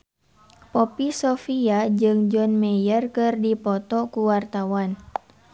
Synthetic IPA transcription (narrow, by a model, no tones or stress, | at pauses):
pɔpisɔfiad͡ʒɨŋd͡ʒɔnmɛjərkɨrdipɔt̪ɔkuwart̪awan